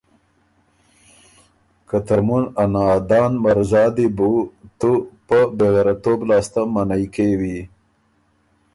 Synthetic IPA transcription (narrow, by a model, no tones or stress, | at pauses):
kat̪aɾmunanɑːd̪ɑːnmaɾzɑːd̪ibut̪upəbeɣeɾat̪oːblɑːst̪amanajkewi